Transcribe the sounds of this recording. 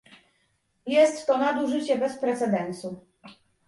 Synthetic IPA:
jɛst̪ːɔnad̪uʐɘt͡ɕɛbɛspɾɛt̪sɛd̪ɛnsu

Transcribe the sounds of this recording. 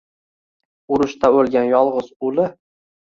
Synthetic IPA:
ʊɾʊʃt̪ʰaolˠɡʲanjɒlˠʁʊz̥ʊlɪ

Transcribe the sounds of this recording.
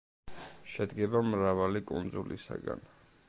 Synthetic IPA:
ʃɛd̪ɡɛbamɾavalikʼund̪zulḭsa̰ɡa̰n

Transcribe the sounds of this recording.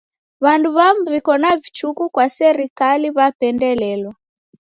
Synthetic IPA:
βanduβamuβikɔnavit͡ʃukukwasɛɾikaliβapɛndɛlɛlwa

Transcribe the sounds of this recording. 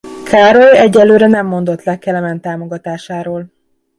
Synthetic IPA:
kʰaːɾo̞lɛɟːɛlːøːɾɛnɛmːo̞nd̪o̞t̪lɛkːɛlɛmɛnt̪aːmo̞ɡɒt̪aːʃaːɾoːl

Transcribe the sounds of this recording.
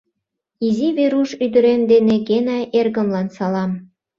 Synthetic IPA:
iziβeɾuʃyd̪ə̆ɾemd̪eneɡenɑjʔerɣə̆mlɑnsɑlɑm

